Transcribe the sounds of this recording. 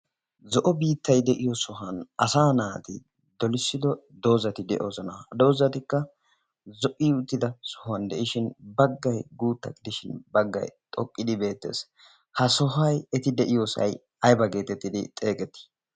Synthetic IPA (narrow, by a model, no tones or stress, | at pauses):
zɔʔɔbiːt̪ːɐjd̪ɛʔɪjɔsɔɦɐnɐsaːnaːt̪ɪ̰ | d̪ɔlɪsːɪd̪ɔ | d̪o̞ːzɐt̪ɪd̪ɛʔo̞ːzɔnɐd̪o̞ːzɐt̪ɪkːɐ | zɔʔiːʊt̪ːɪd̪ɐsɔhɐnd̪ɛʔɪʃɪnbɐɡːɐjɡuːt̪ːɐ̰ɡɪd̪ɪʃɪnbɐɡːɐ̰jt̪ʼɔkʼːɪd̪ɪbe̞ːt̪ːe̞̰ːs | hɐsɔɦɐjɛt̪ɪd̪ɛʔɪjoːsɐ̰j | ɐjbɐɡe̞ːt̪ɛt̪ːɪd̪ɪt̪ʼe̞ːkɛt̪ːɪ̥